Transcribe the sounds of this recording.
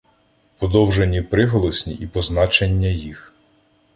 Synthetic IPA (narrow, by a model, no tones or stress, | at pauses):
pɔd̪ɔwʒenʲːipɾɪɦɔlˠɔsʲnʲḭʔipɔznɑt͡ʃenʲːɐjix